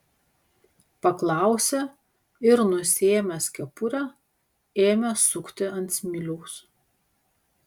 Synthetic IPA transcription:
pɐklˠɑˑʊsʲɛ | ɪɾnʊsʲeːmʲɛsʲkʲɛpʊɾʲɛ | eːmʲɛsʊkt̪ʲɪɐnʲt̪ʲsʲmʲɪlʲuːs

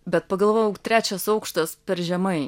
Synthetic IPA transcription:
bʲɛt̪̚pɐɡɐlˠʋoːjɛʊt̪ʲɾʲæːt͡ʃʲɛsɐʊkʃt̪ɐspʲɛɾʒʲɛmɐɪ

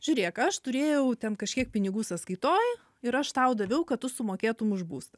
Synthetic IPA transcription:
ʒʲʊːɾʲeːkɐʃt̪ʊɾʲeːjɛʊt̪ʲɛnkɐʃʲkʲiɛk̚pʲɪnʲɪɡuːsɐskɐɪt̪oːj | ɪɾɐʃt̪ɐʊd̪ɐʋʲɛʊkɐtt̪ʊsʊmoːkʲeːt̪ʊmʊʒbṵːst̪ɐ

